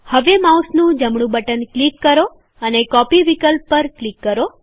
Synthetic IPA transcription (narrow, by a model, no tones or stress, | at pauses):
həʋemausnũd͡ʒəmɳ̃ũbəʈənklikːəɾo | ənekɔpiʋikəlpːəɾklikːəɾo